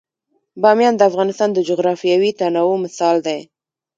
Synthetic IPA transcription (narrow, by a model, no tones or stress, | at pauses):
bɑmjɑnd̪əafɣɑnɪst̪ɑnd̪əd͡ʒʊɣɾɑfijawit̪anɑwomɪsɑld̪aj